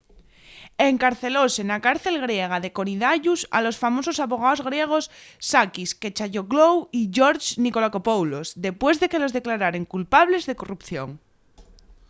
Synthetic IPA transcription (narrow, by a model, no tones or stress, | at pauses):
eŋkaɾθe̞losenakaɾθe̞lɣ̞ɾjeɣ̞aðe̞koɾiðaʝusa̰lo̞sfamo̞so̞saβo̞ɣaozɣ̞ɾje̞ɣ̞o̞sːakisket͡ʃaʝoɣlowiʝoɾt͡ʃniko̞lako̞powlozðe̞pwe̞zðe̞ke̞lo̞zðe̞klaɾaɾe̞ŋkulpaβ̞le̞zðeko̞rupθjo̞̰ŋ